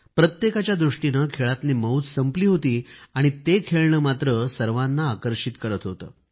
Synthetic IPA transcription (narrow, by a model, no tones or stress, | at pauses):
pɾət̪jekat͡ɕjad̪ɾuʂʈinəkʰeɭat̪niːməut͡ssəmpliːɦot̪iːaɽ̃it̪ekʰeɭɳəːmat̪ɾəsəɾʋanːaːkəɾɕit̪kəɾət̪ɦot̪ə̰ː